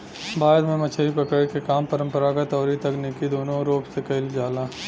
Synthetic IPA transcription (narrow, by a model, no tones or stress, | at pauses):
baːɾmẽmɐt͡ʃʰəipɐkəɽkekaːmpəɾə̃mpəɾakat̪ɔːɾit̪ɐknekid̪oːnõɾoːpsekɐɪld͡ʒaːlaː